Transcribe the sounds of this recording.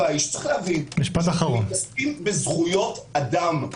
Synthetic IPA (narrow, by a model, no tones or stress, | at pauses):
aiʃt͡seχlɛavinmiʃpat̪aχaʁonaskimbezχujo̞tadam